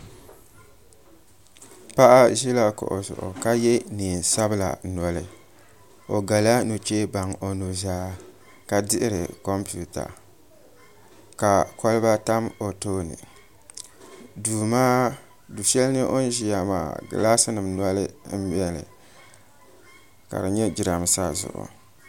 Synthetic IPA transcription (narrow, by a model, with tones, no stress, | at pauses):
pa˦ʔa˦ʒi˦la˦ko̰˨ʔo̰˨zʊ̰˨ʔʊ̰˨ka˦jɛ˦niː˨n˨sa˦bɨ˦la̰˨nɔ˨lɨ˨ | o˨ɡa˨la˦nu˨t͡ʃe˦ba˨ŋo˨nu˨zaː˦ | ka˨dɪ˦ʔɪ˦ɾɪ̰˨ko˦mpu˦ta̰˨ | ka˨kɔ˦lɨ˦ba˦ta˦mo˨toː˦nɨ̰˨ | du˨maː˦ | du˨ʃɛ˦lnɨ˦ʔo˦n˦ʒi˦ja˨ma̰ː˨ɡ̰la˦sɨ˦nɨ˨mnɔ˦lɨ˦bɛ˦lɨ̰˨ | ka̰˨dɨ˨ɲɛ˦d͡ʒɪ˨ɾa˨m˨sa˦zʊ̰˨ʔʊ̰˨